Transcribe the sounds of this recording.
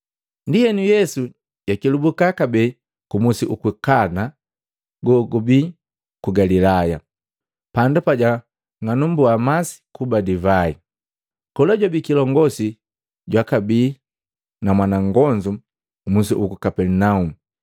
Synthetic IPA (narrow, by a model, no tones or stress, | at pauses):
ndijɛnujɛsu | jakilubukakabɛ | kumusiʔukikana | ɡɔɡɔbi | kuɡalilaja̰ | pandupaɟa | ŋanumbuamasi̥kubadivai | kɔlaɟwabikilɔŋɡɔsi | ɟwakabiː | namwanaŋɡɔɲd͡ʒu | kumusiukikapɛɾnaumu